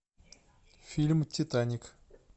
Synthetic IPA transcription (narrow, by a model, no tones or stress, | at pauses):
fʲilʲmtʰʲit̪anʲik